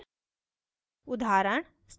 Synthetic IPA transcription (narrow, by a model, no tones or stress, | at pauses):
ʊd̪ʱaːɾəɳ | st̪